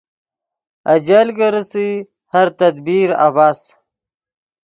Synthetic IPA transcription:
ɐd͡ʑalɡəɾəsi | hɐɾt̪ɐd̪biːɾa̰baːs

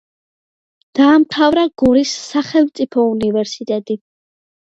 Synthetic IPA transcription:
d̪̥aːmt̪ʰavɾaɡ̥ɔɾisːaχɛlˠmt̪sʼipʰɔunivɛɾsit̪ʼɛt̪ʼi

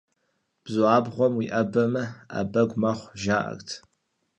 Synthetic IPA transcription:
b̥zʊʕaːbʁʷɔmwiʔɐbɐmɐa̰bɐɡʷmɐχʷʒaːʔɐ̰ktʰ

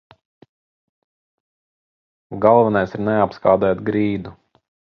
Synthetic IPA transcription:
ɡalˠvɛnajsiɾnɛapskaːd̪ɛjt̪ɡɾiːd̪u

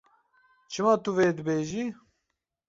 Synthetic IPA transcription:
t͡ʃʰɨmɑːt̪uveːd̪əbeːʒiː

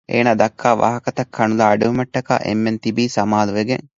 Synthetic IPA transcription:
ʔḛːnaːd̪ɐkʰːaːʋa̰ːɦɐkɐt̪ɐkʰːɐnulaːɖuɦumɐʈːɐka̰ːʔḛmːent̪ibiːsɐmaːluʋeɡeŋ

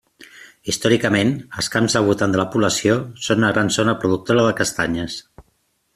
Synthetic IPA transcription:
ist̪ɔɾikəmenəlˠskamzðəlˠβut̪and̪ələpuβləsiosonunəɣɾanzonəpɾuðuk̚t̪oɾəðəkəst̪aɲəs

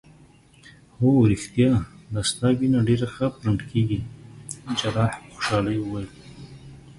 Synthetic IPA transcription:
hoɾixt̪jɑlast̪ɑbinaɖeɾaxəpɾaɳɖkʰeɡi | d͡ʒalɑħpxʊ̥ʃɑlajwəwajl

